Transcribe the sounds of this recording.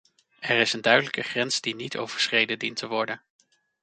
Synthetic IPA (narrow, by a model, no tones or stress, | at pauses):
ɛɹɪsəndœɥdələkəχrɛnsdinitʰo̰wv̥əɹsχrejdədintʰəʋɔɹdən